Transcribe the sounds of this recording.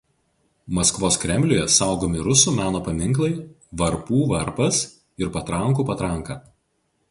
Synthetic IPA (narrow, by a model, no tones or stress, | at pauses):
mɐskʋoːskɾʲɛmʲlʲʊjɛsɑˑʊɡoːmʲɪɾʊsuːmʲæːnoːpɐmʲɪŋˑklˠɐɪ | ʋɐɾpuːʋɐɾpɐs | ɪɾpɐt̪ɾɐŋˑkuːpɐt̪ɾɐŋˑkɑː